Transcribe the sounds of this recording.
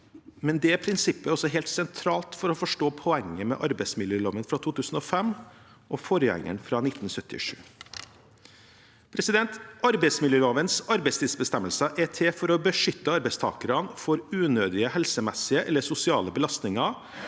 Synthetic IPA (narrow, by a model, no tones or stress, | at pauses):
mɛnd̪ɛæpʰɾɪnsɪpːəɔsɔɦeːlt̪sɛnt̪ʰɾɑːlt̪fɔɾɔfɔʂʈoːpʰɔɛŋːəmɛ̰ʔɑɾbɛɪsmɪljøːloːʋənfɾɑt̪ʰuːt̪ʰʉːsn̩ɔfɛmː | ʔɔfɔɾjɛ̰ŋːə̰nfɾɑnɪt̪ːn̩sœt̪ːɪ̰ʂʉ̰ː | pʰɾɛsɪd̪ɛnt̪ɑɾbɛɪsmɪljøːloːʋənsɑɾbɛɪst̪ɪd̪sbəst̪ɛmːəlsəʔɛt̪ʰefɔɾɔbəʂʏt̪ːəɑɾbɛɪst̪ʰɑ̰ːkəɾɑnfɔɾʉːnøːd̪ɪəhɛlsəmɛsɪəʔɛlːəsʊsɪɑ̰ːləbəlɑst̪nɪŋɑ